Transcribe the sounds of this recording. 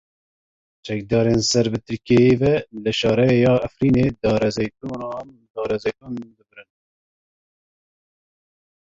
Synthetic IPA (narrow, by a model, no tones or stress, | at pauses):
t͡ʃɛkd̪ɑːɾensɛɾbɨt̪ʰɨɾkejeːvɛlɨʃɑːɾɛjɑːæfɾiːneːd̪ɑːɾɛzɛk̪unɑn | d̪ɑːɾɛzɛjk̪uːnb̪ɨbɾɨn